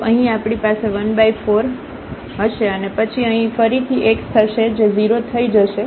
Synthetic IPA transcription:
əɦĩapɳipaseʋənbaifoɾ | ɦəʃeənepət͡ʃʰiəɦĩfəɾit̪ʰiʔekt̪ʰəʃed͡ʒeziɾot̪ʰəid͡ʒəʃe

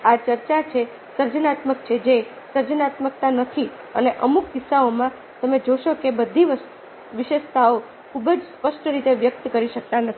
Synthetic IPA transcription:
at͡ʃəɾt͡ʃat͡ʃʰe | səɾd͡ʒənat̪məkt͡ʃʰed͡ʒe | səɾd͡ʒənat̪mək̚t̪anət̪ʰi | əneʔəmukːɪsaomã | t̪əmed͡ʒoʃokebəd̪ʱiʋəst̪ | ʋɪʃeʃt̪ʰao | kʰubəd͡ʒspəʃʈəɾit̪eʋjək̚t̪kəɾiʃək̚t̪anət̪ʰi

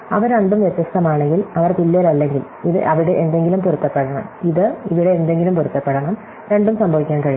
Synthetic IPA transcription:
ɐʋɐɾɾeɳɖumʋjet̪ːjɐst̪ɐmaːɳe̞ŋɡilɐʋɐrt̪ilːeːɾɐlːe̞ŋɡil | iðɨ̰ʔɐʋiɽeʔend̪e̞ŋɡilumpuɾut̪ːɐpːeɽɐɳɐmiðɨiʋiɽe̞ːnd̪e̞ŋɡilumpuɾut̪ːɐpːeɽɐɳɐm | ɾe̞ɳɖumsɐmbʱɐʋikʲːaːnkɐɻi

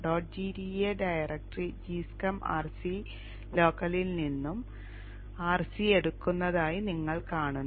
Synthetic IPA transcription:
ɖoːʈ̚d͡ʑiːɾieɖɐjɐrɐk̚ʈrid͡ʑiːskɐma̰ːrsi | lo̞ːkːɐlilninːum | aːrsie̞ɽukːunːɐðaːjiniŋːɐɭkaːɳunː

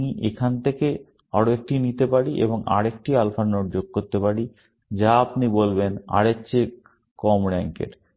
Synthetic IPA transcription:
niʔekʰant̪ʰeke | aɽoek̚ʈinit̪epaɽiʔḛboŋʔa̰ɾek̚ʈialfanːoɾd͡ʑoɡ̚koɾt̪epaɽi | d͡ʑaapnibolbena̰ɽetːɕʰe | kɔmɾɛŋkḛɾ

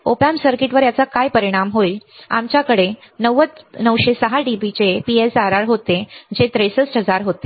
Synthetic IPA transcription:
opamsəɾkiʈʋəɾjat͡sakajpəɾiɽ̃amɦoia̰mt͡ɕjakəɽe | nəʋət͡snəʋɕesəɦaɖibit͡ɕepiesaɾaɾɦot̪ed͡ʑet̪ɾesəsʈʰɦəd͡zaɾɦot̪e

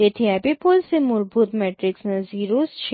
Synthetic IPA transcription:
et̪ʰiɛːpipoːlsemʊɾbʱuːt̪mɛːʈɾɪksnẽziːɾuːsʃʰ

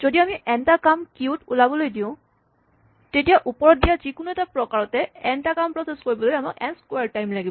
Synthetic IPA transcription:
z̥odiamiʔɛntakamkiutulabɔlojdiʊ̃ | tetijaʔupɔɹɔt̚dijazikʊnuɛtapɹɔkaɹɔtɛɛntakampɹɔseskoɹibɔlojamakɛnskwaɹtajmlaɡibɔ

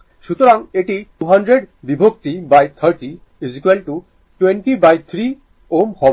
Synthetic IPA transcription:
ʃut̪oɾaŋeʈiʈuɦanɖɾeɖbibʱok̚t̪ibajt̪ʰəɾʈi | ezikwelʈu | ʈweɳʈibajt̪ʰɾi | omhɔ

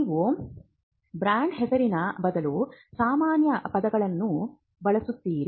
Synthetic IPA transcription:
ʋu | bɾaːɳɖɦɛsɐɾinɐbɐd̪ɐlusaːmaːnjɐpɐd̪ɐɡɐɭɐnːu | bɐɭɐsut̪ːiːɾi

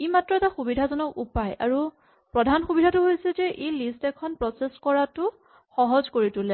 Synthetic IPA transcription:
imatɹɔɛtaxubidʱazɔnɔkupaja̰ɹu | pɹɔdʱanxubidʱatʊɦojsɛzɛʔejlistɛkʰɔnpɹɔseskɔɹatʊ | xɔɦɔzkoɹitʊlɛ

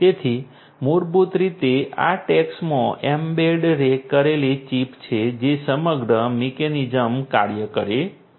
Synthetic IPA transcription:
t̪et̪ʰi | muɾbut̪ɾit̪ea̰ʈeksmõʔembeɖɾekːəɾelet͡ʃipt͡ʃʰed͡ʒesəməɡɾəmikenid͡ʒəmka̰ɾjəkəɾe

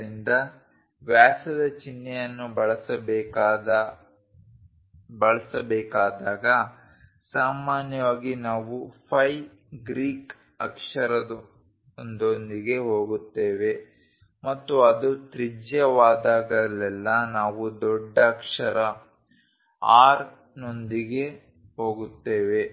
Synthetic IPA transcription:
ɾind̪ɐ | ʋjaːsɐd̪ɐt͡ʃinːɛjɐnːubɐɭɐsɐbk̪ː | bɐɭɐsɐbɛːkaːd̪aːɡɐ | saːmaːnjɐʋaːɡinaːʋupʰɐj | ɡɾiːk | ɐ̰kʂɐɾɐd̪u | ond̪ond̪iɡe̞ɦo̞ːɡut̪ːeːʋe̞ | mɐt̪ːuɐd̪ut̪ɾid͡ʒjɐʋaːd̪aːɡɐlɛlːɐnaːʋud̪ɔɖːɐːkʂɐɾɐ | aːɾ | no̞nd̪iɡe̞ | ɦo̞ːɡut̪ːeːʋe̞

